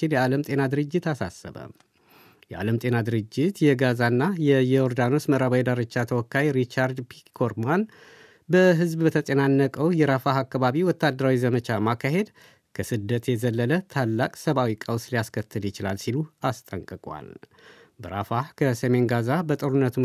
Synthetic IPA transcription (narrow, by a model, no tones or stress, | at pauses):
ɪnjɛaləmt̪ʼe̞nad̪ɨɾɨd͡ʒːɪt̪asa̰sə̰βə̰ | jɛʔa̰ləmt̪ʼe̞nad̪ɨɾɨd͡ʒːɪt̪jɛɡazanːajɛjɛoɾd̪ano̞sməɾaβajd̪aɾɨt͡ʃːat̪ʰəwɔkːajɾit͡ʃaɾd̪pʰikʰoɾman | bəɦɨzbbət̪ʰəsʼenanːəkʼəwjɛɾafaɦakːaβaβiwɔt̪ːad̪ːəɾawizəmət͡ʃamakːaɦe̞d̪ | kʰəsɨd̪ːət̪jɛzəlːələt̪ʰalːakʼsəβawikʼəwslijaskʰət̪ʰːɨljɪt͡ʃɪla̰lsiluast̪ʼəŋkʼɨkʼwa̰l | bəɾafahkʰəsəme̞nɡazabət̪ʼɨɾunːət̪ʰu